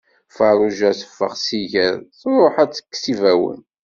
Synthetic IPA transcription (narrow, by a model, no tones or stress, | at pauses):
fəɾˤuʒæsə̥fːə̰ʁsiʝəɾθɾˤoħæt͡sːə̥kːsivæwə̰n